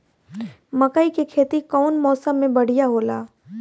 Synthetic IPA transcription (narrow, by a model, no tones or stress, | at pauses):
mɐkəikekʰeːt̪ikɔːnmɔːsəmːẽbɐɽ̤ijaɦoːlaː